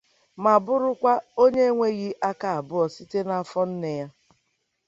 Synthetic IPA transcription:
ma˨bʊ˦ɾʊ˦kʷa˦o˦ɲe˦ŋʷe˦ɣi˦ʔa˦ka˨a˨bʊ˦ɔ˨si˦te˦na˦fɔ˦n̩˦ne˨ja˦

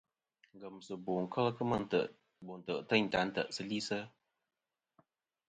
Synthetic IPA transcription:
ŋɡə˨msɨ˨bo˨ŋ̩˨kʰə˦lkə˦mə˧ə˨ʔ | bo˨n̩˨tə˨ʔtə˦˨ɲ̩˨ta˨˦n̩˦tə̰˨ʔsɨ˦li˦sə˦

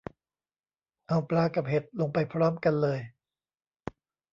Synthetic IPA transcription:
ʔa˧˩wplaː˧˩ka˨˩p̚he˨˩t̪̚lo˧ŋpa˧jpʰɾɔː˦˥˩mka˧nlɤː˧j

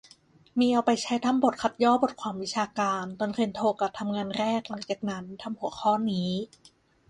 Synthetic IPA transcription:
miː˧˩ʔa˧wpa˧jt͡ɕʰa˦˥jt̪ʰa˧˥˩mbo˨˩t̪̚kʰa˨˩t̪̚jɔː˥˩bo˨˩t̪̚kʰwaː˧mwi˦˥t͡ɕʰaː˧kaː˧nt̪ɔ˧nki˧nt̪ʰoː˧ka˨˩t̪ʰa˧mŋaː˧nɾɛː˥˩k̚la˨˩˦ŋt͡ɕaː˨˩k̚na˦˥nt̪ʰa˧mhu˨˩˦xʰɔː˥˩niː˦˥

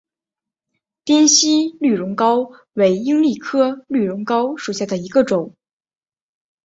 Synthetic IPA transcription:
t̪jɛ˥nɕi˥ly˥˨˩ɻʊ˧˥ŋkɑ˥ʊ | we˧˥ɪi˥ŋli˥˩kʰɤ˥ly˥˩ɻʊ˧˥ŋkɑ˥ʊʂu˨˩ɕja˥˩d̪ə˩i˧˥ɡə˧ʈ͡ʂʊ˨˩˦ŋ

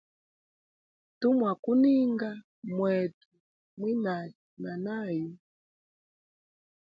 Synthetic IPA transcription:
tu˦mwa˨ku˦ni˦ŋɡa˦ | mwɛ˨tu˨ | mwi˦na˨ | na˨na˦ju˦

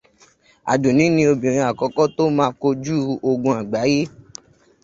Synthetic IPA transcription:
a̰˨do˨nĩ˨˦nĩ˧o˧bĩ˨ɾ̃ĩ˧a˨kɔ˨˧˦kɔ˦to˦mãː˧˦ko˧d͡ʒu˦o˧ɡũ˧a˨ɡ͡ba˨˦je˦

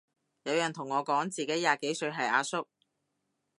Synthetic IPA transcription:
jɐ˨˧wjœː˨˩ŋt̪ʰʊ˨˩ŋːɔː˨˧kɔː˨˥ŋt͡siː˨ke˨˥jaː˨˩ke˨˥jsɵ˧ɥɦɐ˨jʔaː˧sʊ˥k̚

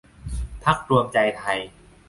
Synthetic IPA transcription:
pʰa˦˥k̚ɾu˧mt͡ɕa˧jt̪ʰa˧j

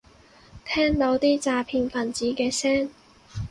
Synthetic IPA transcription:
t̪ʰɛː˥ŋt̪o˨˥wt̪iː˥t͡saː˧pʰiː˧nfɐ˨˩nt͡siː˨˥kɛː˧sɛː˥ŋ

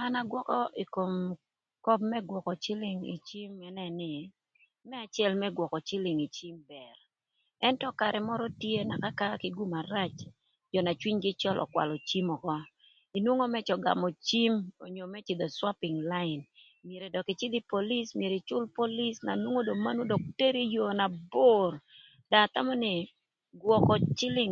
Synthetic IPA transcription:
a˦na˦ɡwɔ˦kɔ˦ʔi˨ko˨m | kɔ˦p̚mɛ˦ɡwɔ˨kɔ˨t͡ʃɪ˦lɪ˨ŋḭ˨t͡ʃi˦mɛ˦nɛ˨nɪ˨ | mɛ˦a˨t͡ʃɪɛ˦lmɛ˦ɡwɔ˨kɔ˨t͡ʃɪ˦lɪ˨ŋi˨t͡ʃi˦mbɛ˨r | ɛ˦ntɔ˦ka˨ɾʔɛ˨mɔ˦ɾɔ˦tje˦na˨ka˦ka˦kɪ˦ɡu˦ma˨ɾa˦t͡ʃ | d͡ʒɔ˨na˨t͡ʃwi˦ɲɡɪ˦t͡ʃɔ˦lʔɔ̰˨kwa̰˨lɔ˨t͡ʃi˦mɔ˨kɔ˦ | i˨nwo˦ŋo˦mɛ˦t͡ʃɔ˨ɡa̰˨mo˨t͡ʃi˦mo̰˨ɲo˨mɛ˦t͡ʃɪ˨d̪ɔ˨swa˦pɪ˨ŋla˦ɪ˨n | mje˨ɾe˨dɔ˨ki˨t͡ʃɪ˦d̪i˦po˨li˦smje˨ɾe˨t͡ʃʊ˦lpo˦li˦sna̰˨nwo˦ŋo˦do˨ma˦nu˦do˨k̚te˦ɾi˦jo˨na˨bo˦r | da˨t̪a˦mɔ˦nɪ˨ | ɡwɔ˨kɔ˨t͡ʃɪ˦lɪ˦ŋ

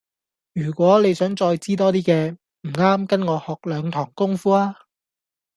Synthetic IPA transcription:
jyː˨˩kʷɔː˨˥le˨˧jsœː˨˥ŋt͡sɔː˧jt͡siː˥t̪̬ɔː˥t̪̬iː˥kɛː˧ | m̩˨˩ŋaː˥mkɐ˥nŋɔː˨˧hɔː˨k̚lœː˨˧ŋt̪ʰɔː˨˩ŋkʊ˥ŋfuː˥aː˥

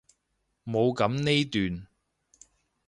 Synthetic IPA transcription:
mo˨˧wkɐ˨˥mne˥jt̪yː˨n

